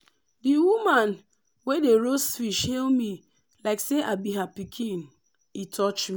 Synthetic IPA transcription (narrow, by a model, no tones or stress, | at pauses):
diwuman | wedeɾosfiʃhelmi | laɪkseʔabiɦapikʰĩn | itʰɔt͡ʃmi